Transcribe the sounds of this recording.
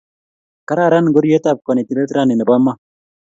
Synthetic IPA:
ka˦ɾa˦˨ɾa˦nɡo˦ɾje˦ta˦˨p̚kɔ˨ni˨t̪i˨ɾe˦t̪ɾa˦˨nɪ˨n˨ba˦ma˦

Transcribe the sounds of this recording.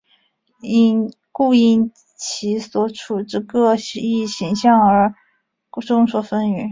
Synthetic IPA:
i˥n | ku˥˧i˥˩n | t͡ɕʰi˧˥swɔ˧˥ʈ͡ʂʰu˨˩ʈ͡ʂɻ̩˥˧kɤ˥˩ɕi˥˩ɕi˧˥ŋɕjɑ˥˩ŋə˞˧˥˧ | ʈ͡ʂʊ˥ŋswɔ˧˩fə˥ny˧˩˥

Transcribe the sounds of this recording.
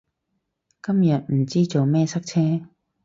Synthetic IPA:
kɐ˥mjɐ˨t̚m̩˨˩t͡siː˥t͡so˨wmɛː˥˧sɐ˥k̚t͡sʰɛː˥

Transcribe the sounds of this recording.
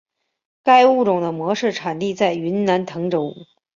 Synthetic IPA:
ka˥˧ɪu˥˩ʈ͡ʂʊ˨˩ŋd̪ə˦mwɔ˧˥ʂɻ̩˥˩ʈ͡ʂʰa˨˩nt̪i˥˧t͡sa˥˩ɪy˧˥nna˧˥nt̪ʰɤ˧˥ŋʈ͡ʂo˧˥ʊṵ˧˥˩

